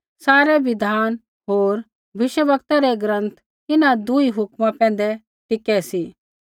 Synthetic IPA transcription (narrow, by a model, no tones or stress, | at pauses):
saːɾɛʋɪd̪ʱaːn | ɦoːɾ | bɪʃəʋəkt̪aɾɛɡɾə̃nt̪ʰ | ɪnad̪ʊiɦʊkmãpɛ̃ːn̆d̪ɛ | ʈ̪ɪkɛsi